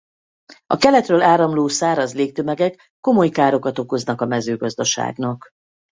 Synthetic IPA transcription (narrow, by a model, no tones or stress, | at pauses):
ɒkɛlɛt̪røːlaːɾɒmloːsaːɾɒzleːk̚t̪ø̞mɛɡɛkːo̞mo̞jkaːɾo̞kɒt̪o̞ko̞znɒkɒmɛzøːɡɒzd̪ɒʃa̰ːɡnɒk